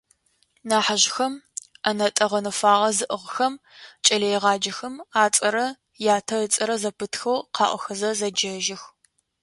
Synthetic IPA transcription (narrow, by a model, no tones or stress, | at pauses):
naːħaʑxɐmɐnɐtʼɐʁɐnɨfaːʁɐzɨʔəʁxɐmt͡ʃʼɐlɐjʁɑːd͡ʒɐxɐmaːt͡sʼɐɾɐ | jaːtʰɐət͡sʼɐɾɐzɐpʰɨtxɐwqʰɑ̰ːʔʷɔxɐzɐzɐd͡ʒɐʒɪx